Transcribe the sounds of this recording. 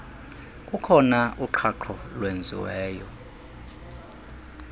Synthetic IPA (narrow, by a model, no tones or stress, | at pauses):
kʼukʰɔnauǃʰaǃʰɔlwend͡zʱḭwɛːjɔ